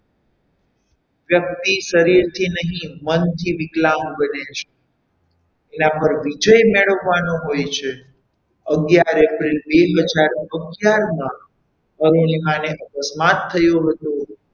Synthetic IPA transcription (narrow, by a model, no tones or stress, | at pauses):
ʋjək̚t̪iʃəɾiɾt̪ʰinəɦĩmənt̪ʰiʋɪklambənet͡ʃʰe̥ | enapəɾʋid͡ʒəjmeɭəʋːanoɦojt͡ʃʰe | əɡjaɾepɾilbeɦəd͡ʒaɾəɡjaɾnə̃ | əɾonimaneʔəkəsmat̪ʰːəjoɦət̪o